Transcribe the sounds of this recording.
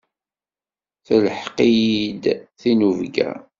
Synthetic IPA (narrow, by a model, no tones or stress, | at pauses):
θələħqid̪θinuvɡæ̰